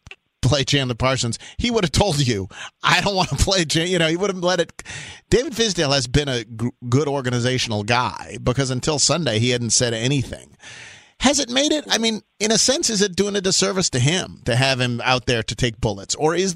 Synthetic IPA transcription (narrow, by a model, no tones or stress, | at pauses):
pʰl̥eɪt͡ʃʰæ̃nðəpʰɑɹsə̃nz̥hiwʊɾɨv̥tʰoʊlˠdd͡ʒɨʔaɪɾõʊ̃nt̚wɑ̃nəpʰl̥eɪt͡ʃæ̃jɨñoʊiwʊɾɨvlɛɾɨt̚d̥eɪvɨd̥fɪzdeɪlˠɨzbɨ̃ñɨɡʊɾɔɹɡɨnɨzeɪʃn̩l̩ˠɡaɪbɨkʰʌzɨ̃ntʰɪlˠsʌ̃ndeɪihædⁿn̩tsɛɾɛɾ̃iθɪ̰̃ŋ | hɨzɨt̚meɪɾɪt̚aɪmĩn | ɨ̃ñɨsɛ̃nsɨzɨt̚d̥ʉɪ̃ŋɨdɨsɜ˞vɨstɨɪ̃mtɨɨv̥ɨ̃ma̰ʊt̪̚ðə˞ɾɨtʰeɪk̚b̥ʊlˠətsə˞ɪz